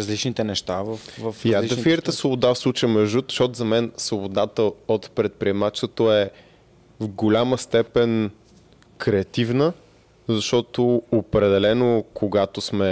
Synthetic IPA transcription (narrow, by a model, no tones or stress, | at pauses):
zlit͡ʃnit̪ɛnɛʃt̪avəfvɐfafiɾət̪əsvobod̪afslˠut͡ʃəmɛʒut̪ʃɔt̪zɐmɛnsvobod̪at̪əot̪pɾɛt̪̚pɾiɛmat͡ʃət̪oɛ | vɡolʲaməst̪ɛpɛn | kɾɛɐt̪ivnə | zɐʃt̪ɔt̪oopɾɛd̪ɛlɛnokʰoɡat̪osmɛ